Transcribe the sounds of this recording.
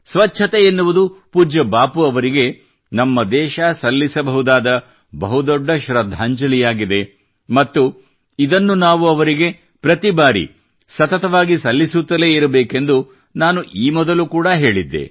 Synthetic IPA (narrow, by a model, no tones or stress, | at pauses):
sʋɐt͡ʃːʰɐt̪eenːuʋud̪upuːd͡ʒɐbaːpuɐʋɐɾiɡe̞ | nɐmːɐd̪ɛːʃɐsɐlːisɐbɐɦud̪aːd̪ɐ | bɐɦud̪ɔɖːɐʃɾɐd̪ʱːaːɲd͡ʒɐlijaːɡid̪e̞ | mɐt̪ːu | id̪ɐnːunaːʋuɐʋɐɾiɡe̞ | pɾɐt̪ibaːɾḭ | sɐt̪ɐt̪ɐʋaːɡisɐlːisut̪ːɐle̞ːiɾɐbeːke̞nd̪u | naːnuʔiːmɔd̪ɐlukuːɽɐɦe̞ːɭid̪ːḛ